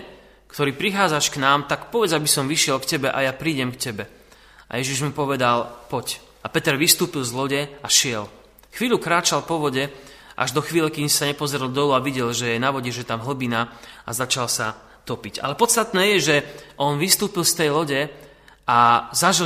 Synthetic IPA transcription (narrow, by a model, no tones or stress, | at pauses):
kt̪ɔɾiːpɾixaːd͡zaʃknaːmt̪akpɔʋɛd͡zabisɔmʋiʃɪɛlkcɛbɛʔa̰japɾiːɟɛmkcɛbɛ | ʔa̰jɛʒiʒmupɔʋɛd̪alpɔc | ʔapɛt̪ɛɾʋist̪uːpilˠzlɔɟɛaʃɪɛl | xʋiːʎukɾaːt͡ʃalpɔʋɔɟɛ | ʔa̰ʒd̪ɔxʋiːlɛkiɲsaɲɛpɔzɾɛlˠd̪ɔluaʋiɟɛlʒɛjɛnaʋɔɟɛʒɛt̪amɦl̩binaazat͡ʃalsa | t̪ɔpiɟa̰lɛpɔt̪st̪at̪nɛːjɛʒɛʔɔnʋist̪uːpilst̪ɛjlɔɟɛ | azaʒi